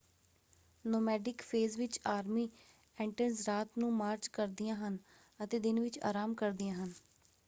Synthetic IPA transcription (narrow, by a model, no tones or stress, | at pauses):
noːmɛːɖɪkpʰeːzʋɪt͡ʃaːɾmiː | ɛ̃ːɳʈənsɾaːt̪nũːmaːɾt͡ʃkəɾd̪ɪjãːɦən | ət̪eːd̪ɪnʋɪt͡ʃa̰ːɾaːmkəɾd̪ɪjãːɦən